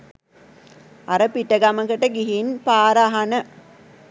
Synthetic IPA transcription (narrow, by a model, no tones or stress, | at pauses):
ɐɾɐpiʈːɐɡamɐŋkɐʈːɐɡiɦinpaːɾaɦɐnɐ